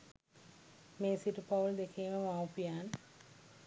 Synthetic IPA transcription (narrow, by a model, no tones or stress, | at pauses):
meːsiʈupauld̪ekʰeːməmawpijaːn